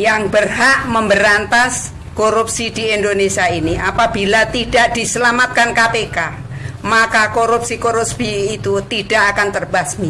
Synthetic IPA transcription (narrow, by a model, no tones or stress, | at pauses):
jaŋbərɦaʔməmbəɾant̪as | koɾup̚sidiɛndonesiainiapabilat̪idaʔd̥isəlamat̪̚kankapeka | makakoɾup̚sikoɾusbiːt̪ut̪idaʔakant̪ərbasmi